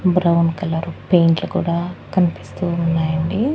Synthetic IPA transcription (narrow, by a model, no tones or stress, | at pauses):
bɾɐwnkɐlːaːɾupeːɳʈlukṵːɽaːkɐnipi̥st̪uunːaːjɐɳɖi